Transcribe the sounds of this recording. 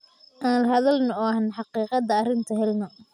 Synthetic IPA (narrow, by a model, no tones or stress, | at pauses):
ʔaːnlɐɦɐðɐlnɔɔːɐnħɑqiːqɑd̪ɐːrɪnt̪ʰɐɦɛlnɔ